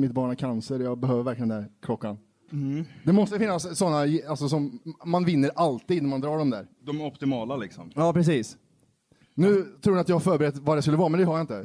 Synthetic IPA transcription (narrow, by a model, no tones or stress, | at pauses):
mɪt̪̚bɑːɳakʰansəɾjɑːɡbɛɦøːvəɾvæɾklɪənæɾkʰlɔkːan | d̪ɛmɔst̪əfɪnːasːɔnːaalsɔsɔmmanvɪnːəɾalt̪iːd̪næɾmand̪ɾɑːɖɔmd̪æ̰ːɾd̪ɔmɔpt̪ɪmɑːlalɪksɔmjɑːpʰɾɛs̬iːs | nʉ̟ːt̪ʰɾuːɖnat̪jahafœːɾbɛɾɛt̪ːvad̪ɛskɵlːəvɑːɾmɛnd̪ɛhaɾjaɪnt̪ə